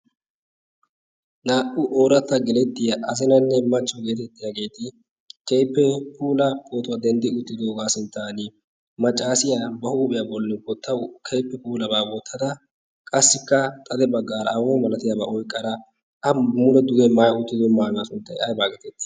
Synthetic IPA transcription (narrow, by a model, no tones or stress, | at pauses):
naːʔʊʔoːɾɐt̪ːɐɡɛlɛt̪ːɪjɐʔɐzɪnɐnːɛmɐt͡ʃːɔɡe̞ːt̪ɛt̪ːɪjaɡe̞ːt̪ɪ | kɛjpːɛpuːlɐboːt̪ʊwad̪ɛnd̪ɪʊt̪ːɪd̪oːɡaːsɪnt̪ːaːnɪ | mɐt͡ʃʼːaːsɪjabɐhuːpʼɪjabɔlːɪbɔt̪ːɐkʰɛjpːɛpuːlɐbaːbot̪ʰːɐd̪ɐ | kʼɐsːɪkːɐt̪ʼɐd̪ɛbɐɡːaːɾɐɐwoːmɐlɐt̪ɪjabɐ̰ʔɔjkʼːɐd̪ɐ | ɐmʊlɔd̪ʊɡɛmajɐʊt̪ːɪd̪ɔmaːɡasʊnt̪ːɐjɐjbaːɡɛt̪ɛt̪ːɪ̥